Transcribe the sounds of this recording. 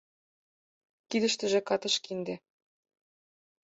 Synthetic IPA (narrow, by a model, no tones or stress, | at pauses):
kid̪ə̆ʃt̪ə̆ʒĕkɑt̪ɤ̆ʃkind̪ĕ